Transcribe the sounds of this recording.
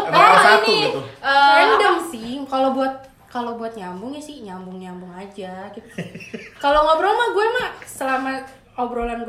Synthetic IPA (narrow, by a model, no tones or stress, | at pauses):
əpaainiʔəandamsɪhkalobuat̪̚ | kalobuat̪̚ɲambʊŋɲasɪhɲambʊŋɲambʊŋad͡ʒaɡit̪kaloŋobɾomahɡuɛmahsəlama | obɾolanɡ